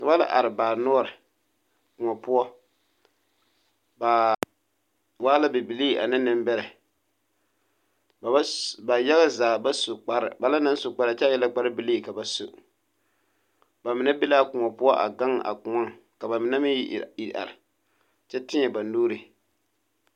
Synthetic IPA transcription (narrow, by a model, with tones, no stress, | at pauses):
ka˨ba˦la̰˦ʔa̰˨ɾɪ˨baː˨nɔː˦ɾɪ˨ | kʊ˨ŋɔ˨pʊ˦ɔ˦ | ba˨ | waː˦la˦bɛ˨bɪ˨li˦˨ʔa̰˨nɪ˦nɪ˦mbɛ˦ɾɛ˨˦ | ba˨ja˦ɣa˦zaː˨ba˦sʊ˨k͡pa˨ɾɪ̰˨ba˦la˦na˦n˦sʊ˨k͡pa˨ɾa˨t͡ʃɛ˦jɛ˦la˦k͡pa˦ɾɪ˦bɪ˨liː˦˨ka˨ba˨sʊ̰˨ | ba˨mɪ˨na˦bɪ˦laː˦kʊ˨ŋɔ˨pʊ˦ɔ˦ʔa̰˨ɡa˦ŋ˦ʔa̰˨kʊ˨ŋɔ˦ŋka˨ba˨mɪ˨na˦mɪ˦ji˨a̰˨ɾɪ˨ | t͡ʃɛ˦tɪ˦ɲɛ˨ba˨noː˦ɾi˨